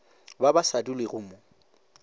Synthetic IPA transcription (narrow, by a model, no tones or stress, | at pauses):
babasadulɪɣʊmʊ